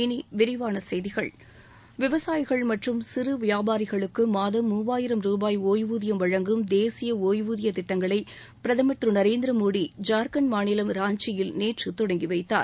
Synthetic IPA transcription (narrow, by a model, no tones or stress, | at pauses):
ɪniʋɪɾɪʋaːnɐsɛjðɪɣɐɭ | ʋɪʋɐsaːjɣɐɭmɐʈrɯmsɪrɯʋɪjaːbaːɾɪɣɐɭɯkːɯmaːðɐmːuːʋaːjɪɾɐmɾuːbaːjoːjʋuːðɪjɐmʋɐɻɐŋɡɯmd̪eːsɪjɐoːjʋuːðɪjɐt̪ɪʈːɐŋɡɐɭɐɪ | pɪɾɐðɐmɐʈ̪rɯnɐɾeːnd̪ɪɾɐmoːɽid͡ʒaːɾkɐnmaːnɪlɐmɾaːɲt͡ʃɪjɪlneːʈrɯt̪ɔɽɐŋɡiʋɐɪt̪ːaːɾ